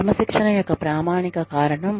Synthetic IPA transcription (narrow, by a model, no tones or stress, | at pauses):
mɐʃikʂɐɳɐjɔkːɐpɾaːmaːɳikɐkaːɾɐɳɐm